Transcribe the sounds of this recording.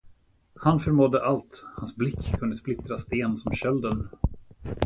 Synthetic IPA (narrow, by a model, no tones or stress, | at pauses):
hanfœɾmɔd̪ːəʔalt̪hansblɪkʰːɵnd̪əsplɪt̪ɾast̪eːnsɔmɕœld̪ən